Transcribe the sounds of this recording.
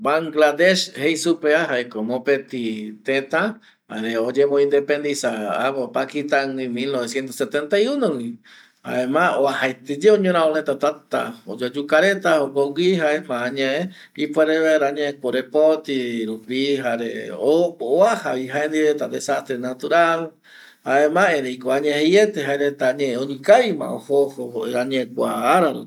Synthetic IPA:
baŋɡlad̪eʃhejsupeaɦaekomõpet̪it̪ẽt̪a | ha̰ɾeod͡ʒemõĩnd̪epend̪isaa̰βopakit̪aŋĩmilnoβesjent̪oset̪ent̪ajunõwĩ | ha̰emãoahaet̪ed͡ʒeoɲõɾ̃ãolẽt̪at̪at̪a̰od͡ʒod͡ʒukaɾet̪aokoɡiɦaemãɲae | ipʷeɾeβeɾaɲẽkʷoɾepot̪iɾupiɦaɾḛopooahaβiɦaend̪iɾet̪ad̪esast̪ɾenat̪uɾal | aemãeɾejkoaɲẽhejet̪eɦaeɾet̪aɲẽẽõɲĩkajmã̰ohohoɾaɲẽkʷaːɾaɾṵ

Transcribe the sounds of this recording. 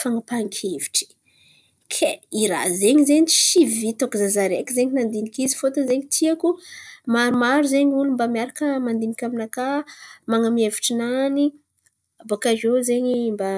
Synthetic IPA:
faŋəpaŋkʲʰevi̥ʈ͡ʂi̥ | kʰeiɾa̰zeɲizeɲiʃivit̪okzazaɾekizeɲinand̪inikizifot̪əzeɲit̪ʰiakumaɾumaɾuzeɲulumbamiaɾakəmand̪inikʲaminakamaŋamieviʈ͡ʂinani | bakaʒozeɲimba

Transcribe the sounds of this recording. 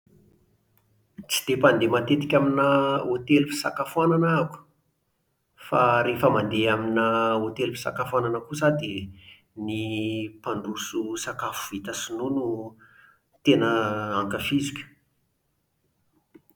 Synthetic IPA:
t͡si̥d̪̥epand̪emat̪et̪i̥kʲaminəot̪elupi̥sakafuananaaku̥ | faɾefəmand̪eaminəot̪elupi̥sa̰kafananəkusad̪i | nipaɳɖ͡ʐususakafu̥it̪əsinunu | t̪enəaŋkafizikʲu̥

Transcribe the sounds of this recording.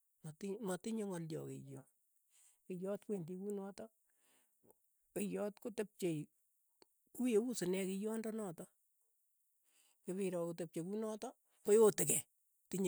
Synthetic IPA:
mtɪmɔtɪɲoŋɔljɔ̰kḛjɔ | kɪjɔtkwendikunɔːtɔ | kejɔtkotep̚t͡ʃej | kujeusɪnɛkɪjɔndɔnɔːtɔ | keβɪɾɔkotep̚t͡ʃekunɔtɔ | kojotɪkɛ | tɪɲ

